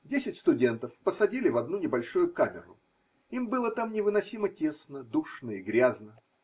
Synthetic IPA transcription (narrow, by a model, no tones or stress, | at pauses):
dʲesʲɪtʲst̪ʊdʲe̞nt̪əfpəsɐdʲilʲɪvɐd̪nunʲɪbɐlʲʂujʊkamʲɪ̰ɾʊ̰ | imbɨlˠət̪amnʲɪvɨnɐsʲimətʲe̞snəd̪uʂnəɪɡɾʲaznə